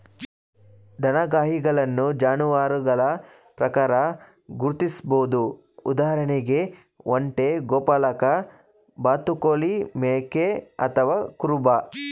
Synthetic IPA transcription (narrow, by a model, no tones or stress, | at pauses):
ɖ̪ʱɐnɐɡaːɦiɡɐɭɐnːud͡ʒaːnuʋaːɾuɡɐɭɐ | pɾɐkaːɾɐ | ɡuɾt̪isboːd̪u | ṵd̪aːɦɐɾɐneɡe̞ | ʔoɳʈeɡoːpɐlɐkɐ | baːt̪ukoːlimeːkeɐ̰t̪ʰɐʋaːkuɾuba